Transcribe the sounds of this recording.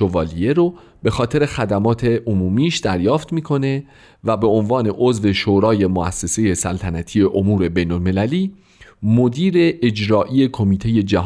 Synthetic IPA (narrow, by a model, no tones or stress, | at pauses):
ovɒːlieɾo | b̥e̞xɒːt̪ʰe̞ɾe̞xæd̪æmɒːt̪ʰeʔomuːmiːʃd̪æɾjɒːft̪miːkʰo̞ne̞ | væbe̞onvɒːne̞ʔozve̞ʃoːɾɒːje̞moæsːe̞se̞je̞sælt̪ʰænæt̪ʰije̞ʔomuːɾe̞be̞jnolme̞læliː | mod̪iːɾe̞ʔed͡ʒɾɒːʔijekʰo̞miːt̪ʰe̞je̞d͡ʒæɦ